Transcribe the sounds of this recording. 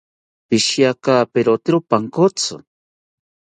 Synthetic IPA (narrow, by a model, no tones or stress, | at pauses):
piʃjakapeɾot̪iɾopaŋkot͡so̰